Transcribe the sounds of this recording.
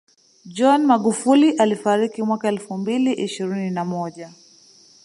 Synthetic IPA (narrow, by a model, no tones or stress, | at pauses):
d͡ʒɔnmaɠufuliʔalifaɾikimwakaɛlfumbiliʔiʃiɾininamɔʄa